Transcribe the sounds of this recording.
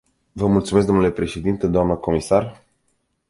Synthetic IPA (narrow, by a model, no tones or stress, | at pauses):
vəmult̪sumes̬ɡd̪onulepɾe̞ʃe̞d̪int̪ed̪oamnəko̞misar